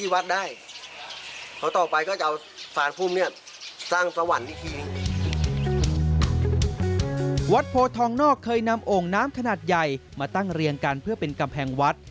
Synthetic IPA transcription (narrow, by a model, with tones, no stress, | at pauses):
iː˥˩wa˦˥t̪̚daː˥˩j | kʰa˦˥wt̪ɔː˨˩pa˧jkɔː˥˩t͡ɕa˧˩ | saː˨˦npʰuː˥˩mni˥˩ɐə | saː˥˩ŋpɾa˧wa˨˩n̚ni˦˧˥k̪ʰiː˧˩ | wa˦˥t̪̚pʰoː˧t̪ʰɔː˧˥ŋnɔː˥˩kʰːɤː˧jna˧mʔoː˨˩ŋnaː˦˥mkʰa˧naː˨˩t̪̚ja˨˩jmaː˧t̪a˥˩ŋɾi˧əŋka˧npʰɯ˥˩ɐpe˧nka˧mpʰɛː˧ŋwa˦˥t̪̚